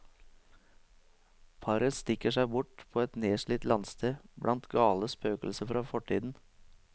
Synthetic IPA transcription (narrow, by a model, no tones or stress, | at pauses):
pʰɑɾəst̪ɪkəʂæɪbʊʈpʰoːɛt̪neːʂɭiːt̪lɑnst̪ʰeːblʔɑnt̪ɡɑːləspøːkəl̩səfɾɑːfɔʈʰḭːd̪n̩